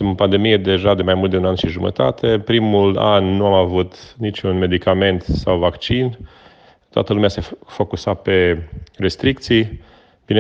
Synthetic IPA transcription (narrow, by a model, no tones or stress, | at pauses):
suməpand̪e̞mijed̪e̞ʒad̪e̞majmult̪d̪eunanʃiʒumə̰t̪at̪ʰe̞pɾimula̰nːuamavut̪nit͡ʃunme̞d̪ikame̞nt̪sawvakt͡ʃin | t̪oa̰t̪əlumease̞fo̞kusat̪̚pe̞re̞st̪ɾikt̪sij | b̥ine